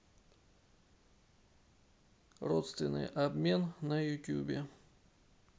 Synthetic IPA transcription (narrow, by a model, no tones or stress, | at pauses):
ro̰t̪st̪vʲɪnːɨ̰jʔɐbmʲe̞nnəjʊtʲṵbʲɪ